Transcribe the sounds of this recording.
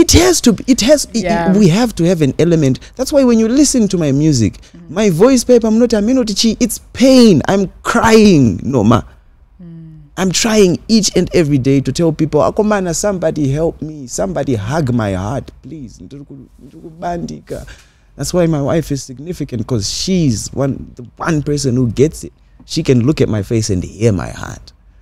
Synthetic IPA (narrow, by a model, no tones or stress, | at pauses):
ithɛz̥tubiithɛzwiɦɛvtuhɛvɛ̃nɛlɛmɛ̃ntðætswajwɛ̃njulisɨ̃ntumajmjuzḭkmajvɔjspepamunotiamĩnotit͡ʃiʔːtspʰẽjnã̰jmkʰɹ̥ajĩŋnɔ̰ma̰ | ʔãjmtʰɹajĩŋit͡ʃɛ̃ndɛvɹidejtutʰɛlˠpipɔla̰kɔmanasãmbadiɦɛlˠp̚misãmbadiɦaɡmajɦatplizndikundiɾikuɓandika̰ | ðætswajmajwa̰jfiz̥siɡ̚nifikãntkɔzʃizwã̰nðəwãnpɛ˞s̬ɔ̃nhuɡɛtsɪt̚ | ʃikɛ̃nlukɛt̚majfesɛ̰̃ndhima̰jha̰t